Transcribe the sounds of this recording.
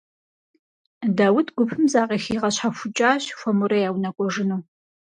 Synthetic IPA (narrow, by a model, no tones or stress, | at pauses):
daːwʊtʰɡʷʊpʰɨmzaːqʼeːxiːʁɐɕħafʷʊt͡ʃʼaːɕxʷɔmʊɾɐjaːwnɐkʷʼɔʐɨnuː